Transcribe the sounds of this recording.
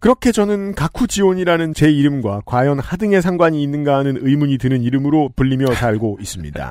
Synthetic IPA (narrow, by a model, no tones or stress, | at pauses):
kɯɾʌkʰe̞t͡ɕʌnɯnkakʰud͡ʑiwoɲiɾanɯnt͡ɕe̞iɾɯmɡwakwajʌnhadɯŋe̞sʰaŋɡwaɲiːnːɯnɡaɦːnɯnɯjmuɲitɯnɯniɾɯmɯɾopuʎːimjʌsaɭɡois͈ɯmɲḭda̰